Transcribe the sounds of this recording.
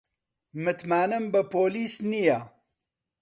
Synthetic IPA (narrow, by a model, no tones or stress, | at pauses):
mɨt̪maːnɨmbɨpʰoːliːsnijaː